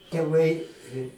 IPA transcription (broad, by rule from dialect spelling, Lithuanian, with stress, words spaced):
tʲɛˈʋɐɪ